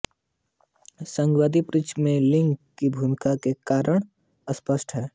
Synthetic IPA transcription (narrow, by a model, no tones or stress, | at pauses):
sə̃ŋɡwaːd̪ipɾɪt͡ʃmẽlɪ̃ŋɡkibʱuːmɪkakekaːɾəɳ̃ | əspəsʈɦɛː